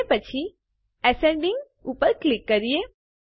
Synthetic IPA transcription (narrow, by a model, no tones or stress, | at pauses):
epət͡ʃʰi | ɛseɳɖĩŋɡ | uːpəɾklikːəɾije